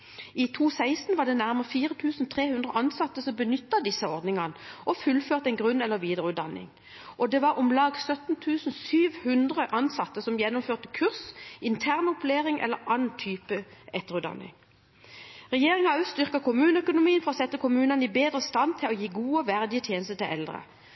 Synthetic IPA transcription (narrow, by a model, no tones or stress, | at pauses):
it̪ʰuːsæɪst̪n̩ʋɑʁɖ̪ɛnæʁməʁfiːʁət̪ʰʉːsnt̪ʰʁeːhʉnd̪ʁəʔɑnsɑt̪ːəsɔmbənʏt̪ːəd̪ɪsəɔʁd̪nɪŋɑnəɔfʉlføːʁt̪ɛɪnɡʁʉnɛlːəʁʋiːd̪əʁəʉːd̪ɑ̰nːɪ̰ŋ | ʔɔd̪ɛːʋɑʁʊmlɑːɡsœt̪n̩t̪ʰʉːsn̩syːʋhʉnd̪ʁəʔɑnsɑt̪ːəsɔmjɛnːʊmføːʁt̪əkʰʉʁsɪnt̪ʰæʁnʊpleːʁɪŋʔɛ̰lːəɾɑnn̩t̪ʰyːpəɛt̪ːəʁʉːd̪ɑ̰nːɪ̰ŋ | ʁɛjeːʁɪŋɑɑʉst̪ʏʁkɑkʰʊmʉːnəœkʊnʊmiːənfɔʁɔsɛt̪ːəkʰʊmʉːnɑnibeːd̪ʁəst̪ɑnt̪ʰɪlɔjiːɡuːəʋæʁd̪ɪət̪ʰjeːnəst̪ət̪ʰɪlɛ̰ld̪ʁə̰